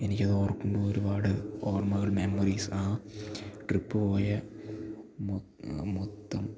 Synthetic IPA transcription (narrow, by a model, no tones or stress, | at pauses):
enikʲːɐðo̞ːrkːumboːoɾubaːɽɨoːrmɐɣɐɭme̞mːɐriːsɨaː | ʈripːɨpo̞ːjɐ | m | mot̪ːɐm